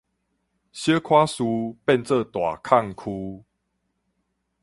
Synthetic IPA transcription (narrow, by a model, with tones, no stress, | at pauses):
ɕə˦kʰwa˦su˧pe˥˧˨nt͡sə˥˨t̪wa˨˩kʰa˥˨ŋkʰu˧